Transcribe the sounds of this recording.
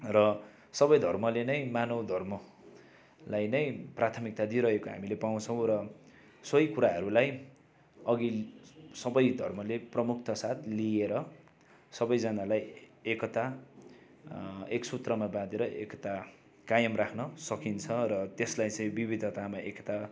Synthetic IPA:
rʌ | sʌbʌjd̪ʱʌrmʌlenʌjmanod̪ʱʌrmʌ | lajnʌjprat̪ʰʌmik̚t̪ad̪iɾʌɦekoɦa̰milepaw̃t͡sʰʌ̃w̃rʌ | sʌjkuɾaɦʌɾulaj | ʌɡisʌbʌjd̪ʱʌrmʌleprʌmuk̚ʰt̪ʌsat̪ʰlieɾʌ | sʌbʌjd͡zanalajekʌt̪a | eksut̪rʌmabãd̪eɾʌʔḛkʌt̪a | kajʌmrakʰnʌsʌkint͡sʰʌrʌt̪eslajt͡sʌj̃bibid̪ʱʌt̪amaʔekʌ̥t̪a

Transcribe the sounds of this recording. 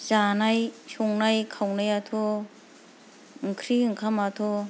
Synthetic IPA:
zanajsɔŋnajkʰawnajatʰo | ŋkʰɾiɯŋkʰamatʰɔ

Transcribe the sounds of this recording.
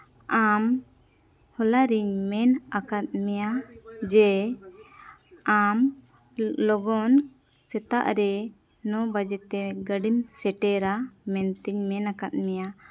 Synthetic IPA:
am | hɔlaɾiɲmɛnakat̪̚mɛjad͡ʒɛ | am | lɔɡɔn | sɛt̪a̰ʔɾɛ | nɔbad͡ʒɛt̪ɛɡəɖimsɛʈɛɾamɛnt̪iɲmɛnakat̪̚mɛja

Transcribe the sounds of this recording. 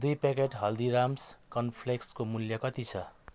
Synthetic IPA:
d̪ujpekeʈɦʌld̪iɾamskʌnpʰlekskomuljʌkʌt̪it͡sʰʌ

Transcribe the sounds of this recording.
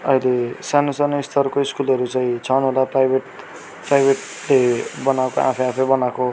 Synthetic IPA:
ʌjlesanosanoist̪ʰʌrkoiskulʌɾut͡sʌĩt͡sʰʌnɦolaprajbʱeʈ | prajbʱeʈ | lebʌnawkoʔa̰pʰʌjãpʰʌbʌnako

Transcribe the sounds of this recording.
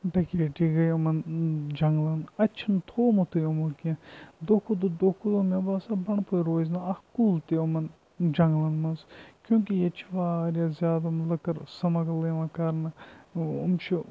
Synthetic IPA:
bɐkeːʈiɡɐjomɐnd͡ʒɐŋɡlɐnɐt͡ʃʰint̪ʰoːmɐt̪ʰujomukẽd̪okʰud̪ud̪oːkʰud̪omebaːsɐbɐɳpʰojɾoːznɐɐhkuːlt̪iomɐn | d͡ʒɐŋɡlɐnmɐnzkʲjõːkijet͡ʃʰʋaːɾjazʲjaːd̪ɐmlɐkɐɾsɐmɐɡleːʋɐ̃kɐɾnɐumt͡ʃʰi

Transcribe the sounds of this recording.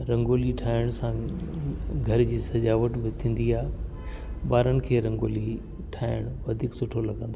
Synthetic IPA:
ɾɐ̃ŋɡoːliʈʰaːɪɽ̃sã | ɡʱɐɾd͡ʑiːsɐd͡ʑaːʋəʈbɪt̪ʰĩːnd̪iaːɦɪ | baːɾənɪ̆kʰeːɾɐ̃ŋɡoːli | ʈʰaːɪɽ̃ʋɐd̪ʱiːksʊʈʰolɐɡə̃nd̪o

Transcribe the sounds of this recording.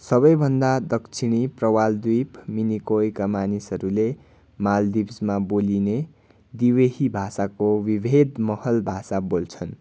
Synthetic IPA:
sʌβʌjbʱʌnd̪ad̪ʌkt͡sʰiɽ̃iprʌwald̪ijpminikojkamanisʌɾule | mald̪ibsmaboline | d̪iweɦibʱasakowibʱed̪mʌhʌlbʱasabolt͡sʰʌn

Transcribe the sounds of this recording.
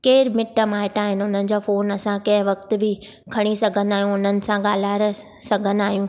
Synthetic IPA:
keːɾmɪʈəmaːɪʈaːɦɪnʊn̤ənɪ̆d͡ʑoːfoːnɐsãkɐ̃ɦɪ̃ʋɐkt̪̆bɪ | kʰɐɽ̃isɐɡʱə̃nd̪aːɦijũʊn̤ənɪ̆sãɠaːl̤aːɾəsɐɡʱə̃nd̪aːɦijũː

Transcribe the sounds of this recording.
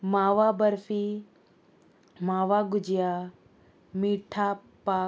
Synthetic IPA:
maːʋabɐɾfi | maːʋaɡʊd͡ʑija | miːʈʰa | paː

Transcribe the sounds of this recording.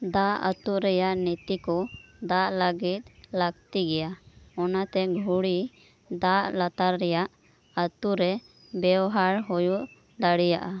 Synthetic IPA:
d̪aʔə̰t̪uɾɛjaʔnit̪ikɔd̪aʔləɡit̪̚laɡt̪iɡɛjaɔnat̪ɛɡʱuɽi | d̪aʔlat̪aɾːɛjaʔ | ət̪uɾɛ | bɛɔɦaɾɦɔjuʔ | d̪aɽijaʔa

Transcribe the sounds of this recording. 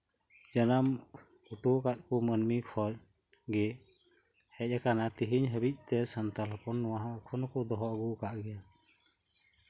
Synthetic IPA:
d͡ʒanam | uʈukat̪̚kɔmənmikʰɔɾ | ɡɛ | hɛc̚ˀakanat̪iɦiɲɦəbic̚ˀt̪ɛsant̪alɔpɔnːɔwaɦakʰɔnɔkɔd̪ɔɦɔʔɡukaʔɡɛja

